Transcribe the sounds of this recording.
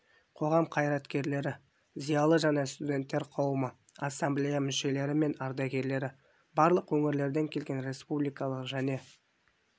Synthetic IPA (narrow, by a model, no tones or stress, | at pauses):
qʰo̞ʁɑmqʰɑjɾɑt̪kʲe̞ɾle̞ɾɪ | zijɑlˠəʒɑnest̪ud̪ʲe̞nt̪ːe̞ɾqʰɑwəmə | asːamblʲejamʏʃe̞le̞ɾɪme̞nɑɾd̪ɑɡʲe̞ɾle̞ɾɪ | bɑɾlˠəqwɵŋɪɾle̞ɾd̪e̞ŋkʲʰe̞lɡʲe̞nɾe̞spublijkɑlˠəqʒæne̞